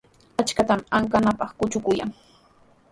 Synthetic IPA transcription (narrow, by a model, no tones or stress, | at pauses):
at͡ʃkat̪amaŋkanapɑχkʊt͡ʃʊkʊja̰ŋ